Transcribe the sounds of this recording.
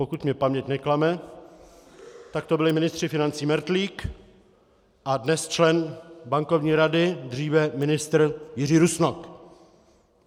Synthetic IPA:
pokut̪mɲɛpamɲɛcnɛklamɛ | t̪ak̚t̪obɪlɪmɪnɪst̪r̥ɪfɪnant͡siːmɛɾt̪liːk | ʔadnɛst͡ʃlɛnbaŋkovɲiːɾadɪd̪riːvɛmɪnɪst̪ɾ̩jɪriːɾusnok

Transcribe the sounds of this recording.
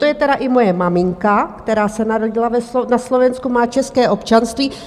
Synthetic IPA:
t̪o̞jɛt̪ɛɾaʔɪmo̞jɛmamɪŋkakt̪ɛɾaːsɛnaɾo̞ɟɪlavɛslonaslo̞vɛnskumaːt͡ʃɛskɛːʔo̞pt͡ʃanst̪viː

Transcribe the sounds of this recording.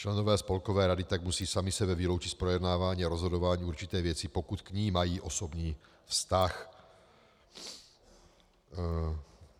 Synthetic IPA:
t͡ʃlɛnovɛːspo̞lkovɛːɾadɪt̪aɡmusiːsamisɛbɛvilo̞wt͡ʃispɾojɛdnaːvaːɲiːaɾozɦodovaːɲiːuɾt͡ʃit̪ɛːvjɛt͡sipokut̪kɲiːmajiːʔosobɲiː | fst̪ax

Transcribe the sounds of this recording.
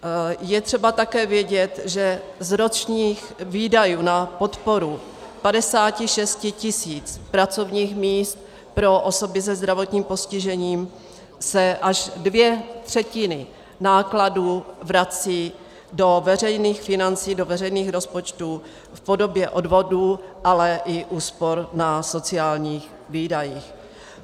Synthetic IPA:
jɛt̪r̥ɛbat̪akɛːvjɛɟɛt̪ʒɛzɾot͡ʃɲiːx | viːdajuːnapo̞t̪po̞ɾu | padɛsaːcɪʃɛscɪcɪsiːt͡spɾat͡so̞vɲiːxmiːst̪̚ | pɾo̞ʔoso̞bɪsɛzd̪ɾavo̞t̪ɲiːmpo̞scɪʒɛɲiːm | sɛʔaʒdvjɛt̪r̥ɛcɪnɪ | naːkladuːvɾat͡siː | do̞vɛr̝ɛjniːxfɪnant͡siːdo̞vɛrɛjniːxɾo̞spo̞t͡ʃt̪uː | fpo̞do̞bjɛʔo̞dvo̞duːʔalɛʔɪʔuːspo̞ɾnaso̞t͡sɪaːlɲiːx | viːdajix

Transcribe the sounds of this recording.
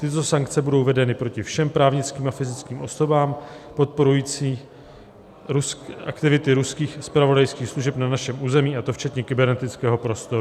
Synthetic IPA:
t̪ɪt̪̬o̞saŋk̚t͡sɛbudo̞wvɛdɛnɪpɾo̞cɪfʃɛmpɾaːvɲɪt͡skiːmafɪzɪt͡skiːmʔo̞so̞baːmpo̞t̪̚po̞ɾujiːt͡siː | ɾusa̰kt̪ɪvɪt̪ɪɾuskiːxspɾavo̞dajskiːxsluʒɛpnanaʃɛmʔuːzɛmiːʔat̪o̞ft͡ʃɛt̪ɲɛkɪbɛɾnɛt̪ɪt͡skɛːɦo̞pɾo̞st̪o̞ɾu

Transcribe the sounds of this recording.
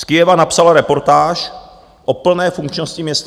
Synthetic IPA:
skɪjɛvanapsalaɾɛpo̞ɾt̪aːʃ | ʔopl̩nɛːfuŋkt͡ʃnoscɪmɲɛst̪

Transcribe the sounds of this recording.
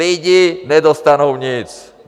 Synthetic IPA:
iɟiɲɛd̪ɔst̪anuʊɲit͡s

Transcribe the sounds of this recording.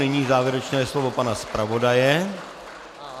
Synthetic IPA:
ɛɲiːzaːvjɛɾɛt͡ʃnɛːslovopanaspɾavodajɛ

